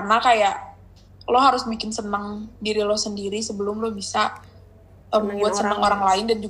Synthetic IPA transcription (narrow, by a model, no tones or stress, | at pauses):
karnakajaʔ | lɔɦaɾʊsbikɪnsənəŋdiɾilɔhsəndiɾisəbəlʊmlɔhbisa | əmbuat̪sənəŋoɾaŋlaɪndand͡ʒu